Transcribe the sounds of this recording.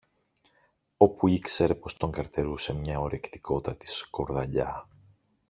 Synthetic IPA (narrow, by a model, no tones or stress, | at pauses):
o̞puikse̞ɾe̞po̞st̪o̞ŋɡɐɾt̪e̞ɾuse̞mɲɐo̞ɾe̞kt̪i̥ko̞t̪ɐt̪i̥sko̞ɾðɐʎɐ